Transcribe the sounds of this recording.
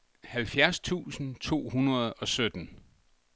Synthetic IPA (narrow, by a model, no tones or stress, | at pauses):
hælfjæɐst͡sʰṵːsn̩t͡sʰo̝̰ːhunɐð̞ˠɒ̽sød̥n̩